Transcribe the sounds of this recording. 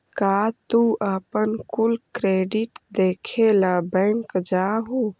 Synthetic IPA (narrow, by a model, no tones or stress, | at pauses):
kat̪uʔəpənkulkɾeɖiʈd̪ekʰelabɛ̃ŋkd͡ʒaɦo